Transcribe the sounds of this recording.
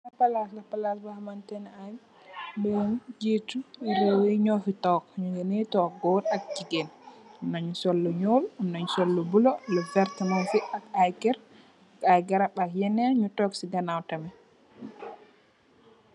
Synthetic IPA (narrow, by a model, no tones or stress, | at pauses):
lapalaslapalasbahmantɛnaj | bɛnd͡ʒituiɾewiɲofitɔkɲuɡɛnitɔɡɔɾak̚d͡ʒiɡɛnunaɲusolːuɲoːlumnaɲusolːubulɔlɛvɛɾtmanfiakajkɛɾ | kajɡaɾaɓaljɛnɛɲutɔksidanawtamɛ